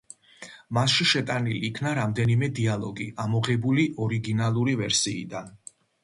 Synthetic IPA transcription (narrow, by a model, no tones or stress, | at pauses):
masʃiʃɛt̪ʼaniliːkʰnaɾamd̪ɛnimɛd̪ialˠɔɡiʔamɔʁɛbuliʔɔɾiɡinalˠuɾivɛɾsiːd̪an